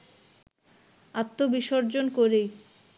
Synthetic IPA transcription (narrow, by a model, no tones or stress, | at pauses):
at̪ːobiʃoɾd͡ʑonkoɾej